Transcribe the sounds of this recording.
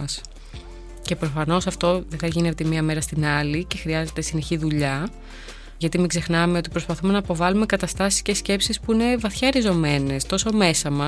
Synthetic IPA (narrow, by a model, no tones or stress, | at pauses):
ɐs | ce̞pɾo̞fɐno̞sɐft̪o̞ðeθɐʝinet̪emiɐme̞ɾɐst̪inɐlice̞xɾiɐze̞t̪e̞sine̞çiðuʎɐ | ʝɐt̪imiɡze̞xnɐme̞o̞t̪ipɾo̞spɐθume̞nɐpo̞vɐlume̞kɐt̪ɐst̪ɐsi̥scesce̞psispuine̞vɐθçɐɾizo̞me̞ne̞st̪o̞so̞me̞sɐmɐ